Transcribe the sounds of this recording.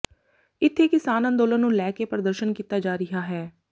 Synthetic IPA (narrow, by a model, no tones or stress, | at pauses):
ɪt̪ʰːeːkɪsaːnə̃nd̪oːlənːũːlɛːkepɾəd̪əɾʃənkiːt̪aːd͡ʒaːɾɪɦaːɦɛː